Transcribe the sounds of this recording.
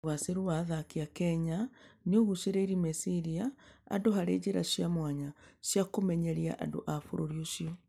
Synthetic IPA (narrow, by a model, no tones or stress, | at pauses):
waseɾowaðakiakɛɲaneoɣuseɾeiɾimesiɾiaa̰ndoɦaɾeːd͡ʑeɾa̰ʃjamwaɲasjakomɛɲɛɾia̰ʔa̰ndo̰ʔafoɾoɾioʃiɔ